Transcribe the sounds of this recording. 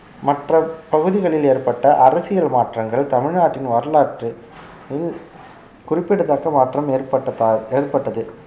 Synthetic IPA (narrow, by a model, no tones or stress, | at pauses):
mɐʈrɐpɐɣɯðɪɣɐɭɪleːrpɐʈːɐʔɐrɐsɪjɐlmaːʈrɐŋɡɐɭt̪ɐmɪɻnaːʈːɪnʋɐɾɐlaːʈrɯ | ɪl | kʊrɪpːɪɽɯðaːkɐmaːʈrɐmeːpɐɐeːrpɐʈːɐðɯ